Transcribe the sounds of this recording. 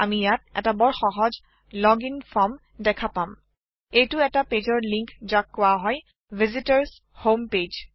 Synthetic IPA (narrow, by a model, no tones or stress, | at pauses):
amijat̚ɛ̰tabɔɹxɔɦɔz | lɔɡinfʰɔm | dɛkʰapam | ejtʊɛtaped͡ʒɔɹliŋkzakːʊaɦɔj | vʱizitaɹs | homped͡ʒ